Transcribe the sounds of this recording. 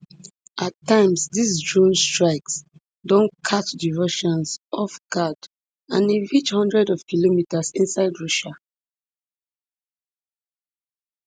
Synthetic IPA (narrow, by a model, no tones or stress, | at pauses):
ʔatːãɪ̃msdisdɹõnstɹaɪks | dɔ̃nkʰatdivoʃɔ̃nsɔfɡad | ãnĩɹit͡ʃhɔ̃ndɹɛdɔv̥kilomitasĩnsaɪdɹɔʃa